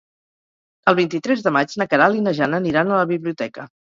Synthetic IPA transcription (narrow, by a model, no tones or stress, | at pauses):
əlˠβint̪it̪ɾɛzðəmad͡ʒnəkəɾalinəʒanəːniɾanələβiβliut̪ɛkə